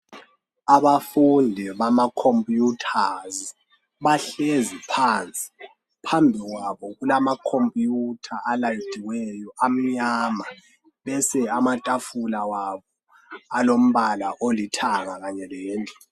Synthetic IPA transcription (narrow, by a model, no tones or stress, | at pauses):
aβafundʱɛβamakʰompʼjutʰazi | βaɬezipʰant͡sʼi̥ | pʰambʱiɣwaβɔɣulamakʰompʼjutʰaʔalajitʰʼiwɛjɔʔam̩ɲama | βɛsɛamatʼafulawaβɔ | alom̩βalaʔolitʰaŋaɣaɲɛlɛːntʼɔ̥